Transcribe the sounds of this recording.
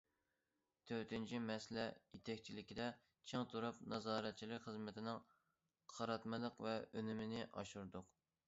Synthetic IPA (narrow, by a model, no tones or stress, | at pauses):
t̪ʰøɾt̪ɪnt͡ʃʰimɛslɛjet̪ʰɛkʲt͡ʃʰilɪkʲid̪ɛ | t͡ʃʰeŋt̪ʰuɾupnɑzɑːɾɛt̪̚t͡ʃʰilɪkʲχəzmɪt̪ʰɪnɪŋ | qʰɑɾɑt̪mɨlˠəqvɛønymɪnɪʔɑ̰ʃuɾd̪ʊq